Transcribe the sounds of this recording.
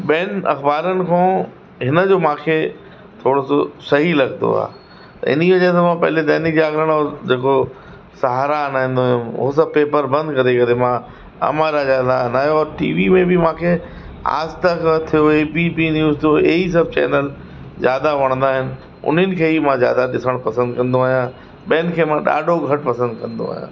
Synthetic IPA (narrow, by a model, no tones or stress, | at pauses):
ɓeːnɐ̰xbaːɾənɪ̆kʰõː | ɦɪnəd͡ʑoːmãːkʰe | t̪ʰoːɽososɐɦilɐɡnd̪o̰a̰ː | t̪ɐ̰ɪ̰n̤iʋɐd͡ʑas̬ãmãːpɐɦɪ̃led̪ɐːnid͡ʑaːɡɾəɽ̃ɔːɾd͡ʑeːko | sɐɦaːɾanaːɪ̃nd̪oːjũʊ̰ɦosɐ̃b̚peːpəɾbɐ̃nd̪kɐɾekɐɾemã | ɐ̰maːɾazaːd̪anaːɦjoɔːɾʈḭːʋimẽbɪmãːkʰe | a̰ːst̪ɐkt̪ʰijoepipinjuːzt̪ʰjoeis̬ɐb̚ʱt͡ɕɛ̰ːnəl | zjaːd̪aʋɐɽ̃ə̃nd̪aːɦɪnɪ̆ | ʊ̰n̤ənɪ̆kʰeːɦimãzja̰ːd̪aɗɪsəɽ̃pɐsə̃nd̪kɐ̃nd̪oaːɦijã | ɓɐənɪ̆kʰeːmãɗa̰ːɖʱoɡʱɐʈpɐsə̃nd̪kɐ̃nd̪o̰a̰ːɦijã̰ː